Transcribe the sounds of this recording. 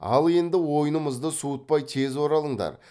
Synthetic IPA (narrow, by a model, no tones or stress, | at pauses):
ɑ̰lˠe̞nd̪ɪwo̞jənəməzd̪əsuət̪̚pɑjt̪ʰe̞zwo̞ɾɑlˠəɴd̪ɑ̰ɾ